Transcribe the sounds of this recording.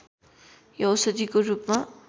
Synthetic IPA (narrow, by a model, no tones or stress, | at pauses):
jʌwsʌd̪ikoɾuːpma